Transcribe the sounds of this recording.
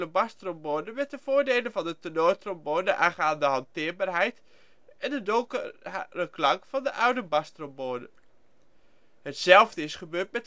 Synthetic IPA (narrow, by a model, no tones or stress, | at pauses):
ləbastromboːdəmɛt̚dəv̥oːɹdeːlənvɑndətənotromboːndəʔaːχaːndəɦɑntɪəɹbaːɹɦɛjt | ɛndədoŋ | əklɑŋkfɑndəʔawdəbɑstromboːnə̰ | hətsɛlˠvdəɪsχəbøːt̚mɛt